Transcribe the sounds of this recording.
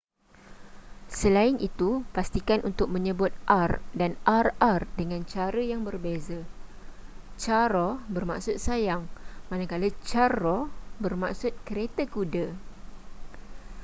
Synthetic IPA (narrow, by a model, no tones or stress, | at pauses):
səlaɪnʔit̪upast̪ikanʔunt̪ʊk̚mə̃ɲə̃bʊt̪̚ʔardanarardəŋãnt͡ʃaɾəjaŋbərbeza | t͡ʃaɾɔbərma̰ksʊt̪̚sajaŋmãnakalət͡ʃarɔbərmaksʊt̪̚kəɾet̪əkudə